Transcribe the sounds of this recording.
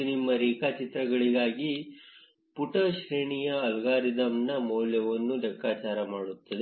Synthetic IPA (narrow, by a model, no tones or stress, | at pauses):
nimːɐɾiːkaːt͡ʃit̪ɾɐɡɐɭiɡaːɡi | puʈɐʃɾeːɳijɐɐlɡaːɾid̪ɐmnɐmoːljɐʋɐnːud̪ɐkːaːt͡ʃaːɾɐmaːɽut̪ːɐd̪e